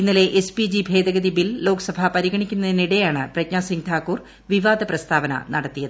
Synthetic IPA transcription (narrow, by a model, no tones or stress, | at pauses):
inːile̞ʔespid͡ʑibʱe̞ːd̪ɐɣɐðibillo̞ːkɐsɐbʱɐpɐɾiɣɐɳikʲːunːɐðiniɽɐjaːɳɨprɐk̚ɲaːsiŋt̪ʰaːkːuːr | ʋiʋaːd̪ɐprɐst̪ʰaːʋɐnɐ̰nɐɽɐt̪ːijɐðɨ